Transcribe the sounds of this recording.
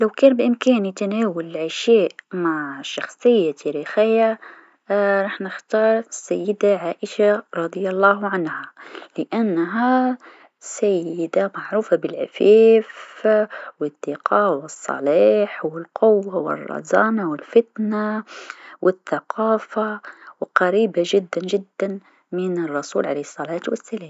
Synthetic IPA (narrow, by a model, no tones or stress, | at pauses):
lawkaːnbɪʔɪmkaːnit̪anaːwʊlʕaʃeːʔmaʕʃɑxsˤɨjːat̪ʰaːɾiːxɪjːa | ɾˤɑːħnɪxt̪ɑːɾˤsajːɪd̪aʕaːʔɪʃaɾˤɑd̪ˤjɑlˤːɑːhʕanhalɪʔanːɦa | sajːɪd̪amaʕɾuːfabɪlʕɪ̰feːf | wɪd̪ːɪqʰɑːwɪsˤːɑ̰liːħwɪlqʊwːawɪ̰rˤːɑ̰zɑːnawɪlfɪt̪na | wʔɪθːaqʰɑːfawqɑɾiːbaʒɪd̪ːand͡ʒɪd̪ːan | mɪnɪrˤːɑsuːlʕaleːhsˤːɑlaːt̪wa̰sːalaːm